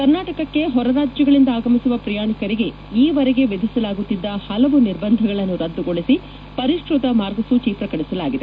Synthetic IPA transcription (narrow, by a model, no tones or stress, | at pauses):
kɐɾnaːʈɐkɐkːe̞ɦɔɾɐɾaːd͡ʒjɐɡɐɭind̪ɐaːɡɐmisuʋɐpɾɐjaːɳikɐɾiɡe̞ | iːʋɐɾɛɡe̞ʋed̪ʱisɐlaːɡut̪ːid̪ːɐhɐlɐʋuniɾbɐnd̪ʱɐɡɐɭɐnːuɾɐd̪ːuɡoɭisi | pɐɾiʂɾut̪ɐmaːɾɡɐsut͡ʃiːpɾɐkɐɽisɐla̰ːɡid̪e